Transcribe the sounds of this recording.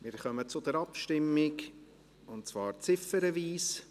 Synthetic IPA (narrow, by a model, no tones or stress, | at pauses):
mɪɾχœmət͡sʊd̪ɛɾɑpʃtɪmːɪk | ʊntt͡svɑːɾt͡sɪfəɾəviːs